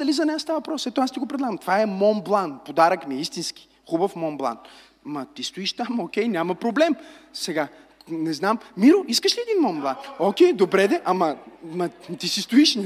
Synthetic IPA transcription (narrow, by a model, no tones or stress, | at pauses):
ɐlizɐnɛast̪avvpɾɔsɛt̪oast̪iɡopɾɛd̪lˠaɡəmt̪ovaɛmɔnblˠanpod̪aɾəkmiɛist̪inski̥ | xubəfmɔnblˠa̰n | mɐt̪ist̪ʊiʃt̪amokʲɛjnʲjamɐpɾoblɛmsɛɡanɛznammiɾʊiskəʃlʲiɛd̪inmɔmblˠanokʲɛjd̪obɾɛd̪ɛʔɐmɐmɐt̪isist̪ʊiʃn